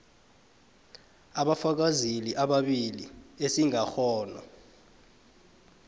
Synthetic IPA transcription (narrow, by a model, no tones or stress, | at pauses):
aɓafak̬aziliʔaɓaɓiliesiŋaxʰɔːnɔ̰